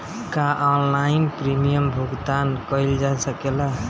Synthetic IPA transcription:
kaʔɔnlainpɾimijəmbʱuɡt̪ankəɪld͡ʒasəkela

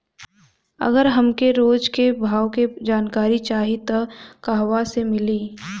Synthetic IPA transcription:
ɐ̰ɡəɾɦɐmkeɾoːd͡ʒkebʱaːwked͡ʒaːnkaːɾit͡ʃaːɦit̪ɐkaɦʋasemɪliː

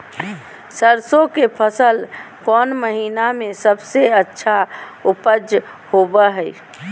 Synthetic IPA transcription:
səɾsokepʰəsəlkɔnməɦinamesəbseətːʃʰaupəd͡ʒ | hobəɦəj

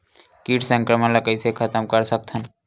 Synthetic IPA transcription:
kiʈsə̃ŋkɾəmənləkəjsʰekʰət̪əmkəɾsək̚t̪ʰən

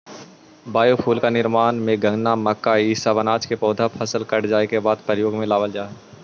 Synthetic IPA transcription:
baːjopʰuːlkanɪɾmaːnmẽɡɐ̃ŋɡnamɐkːaiːsabənaːt͡ʃkepɔːd̪ʱapʰɐsəlkɐʈd͡ʒaːekebaːd̪̚pɾəjoːɡmẽlaːʋəld͡ʒaːe

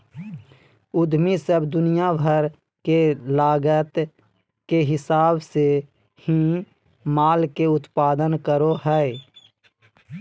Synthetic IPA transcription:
ʊd̪misəbd̪ʊnijabʱəɾ | kelaːɡət̪ | keɦɪsaːbse | hi | maːlkeʊt̪paːd̪ənkəɾoɦɛ

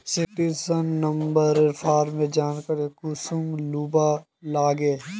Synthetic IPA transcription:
sɪkʈiɾsənːɐmbəɾɪɾfʰaːɾmẽd͡ʒaːnkəɾekusumluːba | laːɡeː

